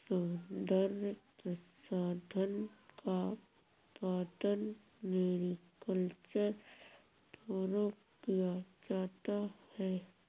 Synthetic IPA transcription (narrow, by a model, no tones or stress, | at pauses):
sʊd̪əɾmpəsaːd̪ʱənka | paːt̪ənmeːɾikəlt͡ʃəɾ | t̪ɔːɾoːkijad͡ʒaːt̪ahɛː